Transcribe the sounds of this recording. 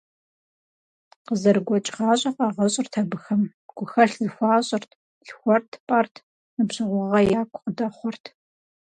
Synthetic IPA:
qəzɐrɡʷɔt͡ʃʼʁɑːɕʼɐqɑːʁɐɕʼɪrtʰɐbɨxɐm | ɡ̥ʷʊxɐɬzɨxʷɑːɕʼɪrtʰ | ɬxʷɔrtʰpʼɐrtʰ | nɨbɕɨʁʷɔʁɐjaːkʷʰʼqədɐχʷɔrtʰ

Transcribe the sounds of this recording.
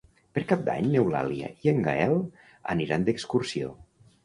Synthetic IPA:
pəɾkap̚d̪a̰ɲnewla̰liə̰ʔieŋɡaɛlˠ | ə̰niɾand̪əkskursio̰

